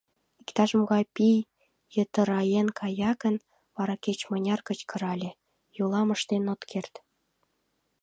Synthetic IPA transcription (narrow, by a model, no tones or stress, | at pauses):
ikt̪ɑʒə̆mɣɑjpij | jə̆t̪ə̆ɾɑjenkʰɑjɑkə̆n | βɑɾɑket͡ɕmənʲɑrkə̆t͡ɕkə̆ɾɑlʲĕ | jolˠɑmə̆ʃt̪enot̪kʰert̪